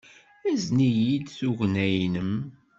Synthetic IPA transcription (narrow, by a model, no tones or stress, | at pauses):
æznijid̪θuʝnæjnəm